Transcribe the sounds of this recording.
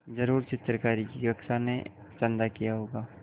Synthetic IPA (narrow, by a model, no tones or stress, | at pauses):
d͡ʒɐɾuːɾt͡ʃɪt̪ɾəkaːɾikiɡɐkʃane | t͡ʃə̃nd̪akijaɦoːɡaː